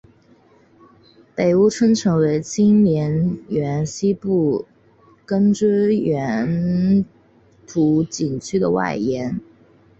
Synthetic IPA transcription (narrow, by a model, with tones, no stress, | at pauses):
pe˨˩ɪu˥ʈ͡ʂʰə˥ŋʈ͡ʂʰɤ˧˥ŋwe˧˥ɪt͡ɕi˥nnjɛ˧˥nɥɛ˧˥nɕi˥pu˥˩ | kə˥nʈ͡ʂ̩˥ɥɛ˧˥n | t̪ʰu˧˥t͡ɕi˨˩nt͡ɕʰy˥d̪ə˨wa̰˥˩ɪjɛ˧˥n